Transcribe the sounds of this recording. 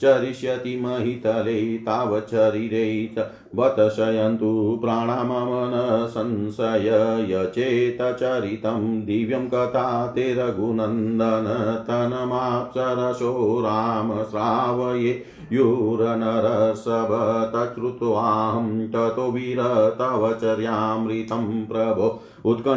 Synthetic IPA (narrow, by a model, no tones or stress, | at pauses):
t͡ʃɐɾiʃjɐt̪imɐɦit̪ɐlet̪aːʋɐt͡ʃɐɾiɾet͡ʃɐ | ʋɐt̪ɐʃɐjɐnt̪upɾaːɳaːmɐmɐnɐsɐnsɐjɐjɐt͡ʃeːt̪ɐt͡ʃɐɾit̪ɐmd̪iʋjɐmkɐt̪ʰaːt̪eːɾɐɡunɐnd̪ɐnɐt̪ɐnɐmaːpsɐɾɐsoːɾaːmɐsɾaːʋɐje | juɾɐnɐɾɐsɐbʱɐt̪ɐt͡ʃɾut̪uaːɦɐmʈɐt̪oʋiɾɐt̪ɐʋɐt͡ʃɐɾjaːmɾit̪ɐmpɾɐbʱo | ut̪̚kɐ